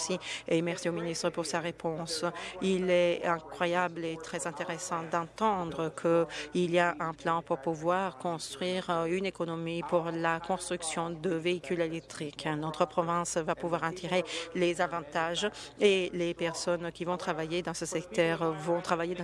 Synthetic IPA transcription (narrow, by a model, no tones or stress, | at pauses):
siemɛʁsiominist̪χəpuʁsaʁepʰɔ̃silɛɛ̃kwajablet̪χɛzɛ̃t̪eʁesɑ̃d̪ɑ̃t̪ɑ̃d̪ʁəkʰəiliaʔɛ̃plɑ̃puʁpuvwaʁkɔ̃st̪χɥiʁynekɔnɔmipuʁlakɔ̃st̪χyksjɔ̃d̪əveikʰylelɛk̚t̪χiknɔt̪χəpχɔvɛ̃svapuvwaʁãt̪ʰiʁelezavɑ̃t̪aʒ | elepɛʁsɔnkʲivɔ̃t̪χavajed̪ɑ̃səsɛkt̪œːʁvɔ̃t̪χavajed̪ɑ̃